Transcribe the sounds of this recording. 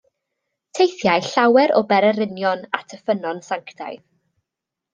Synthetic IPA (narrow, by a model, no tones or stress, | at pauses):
tʰejθjajɬawɛɾɔ̰bɛɾɛɾɪnjɔna̰tʰəfənɔnsaŋkʰd̥a̰jð